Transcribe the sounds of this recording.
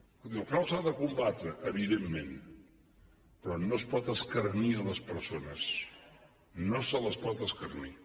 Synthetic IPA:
ilˠkɾawsaðəkumbat̪ɾəʔəβiðemːen | pɾɔnospɔt̪əskərniələspəɾsonəs | nosələspɔt̪əskərni

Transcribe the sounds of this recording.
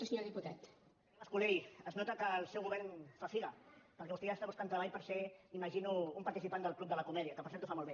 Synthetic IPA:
əsəɲoɾðiput̪at̪ | əskulejəznɔt̪əkəlˠsɛwɣuβɛɾnfast̪iɣəpəɾkɛβust̪eʒast̪aβuskant̪ɾəβaʎpəɾseiməʒinuːmpɐɾt̪isipand̪əlˠklup̚d̪əlɐkumɛðiəkəpəɾsɛɾt̪ufamolˠβe

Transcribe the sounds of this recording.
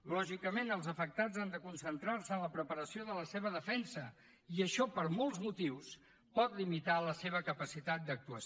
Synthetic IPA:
lɔʒikəmenəlˠzəfək̚t̪ad͡zand̪əkunsənt̪ɾaɾsəənləpɾəpəɾəsioðələseβəðəfɛnsə | iəʃɔpəɾmɔlˠzmut̪iws | pɔt̪limit̪aləseβəkəpəsit̪at̪̚d̪ək̚t̪uə

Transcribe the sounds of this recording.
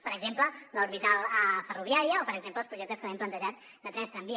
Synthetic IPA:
pəɾəɡzemplələuɾβit̪alˠəfəruβ̞iaɾiəopəɾəɡzempləːlˠspɾuʒɛk̚t̪əskəβɛmplənt̪əʒat̪ | d̪ət̪ɾɛst̪ɾəmbi

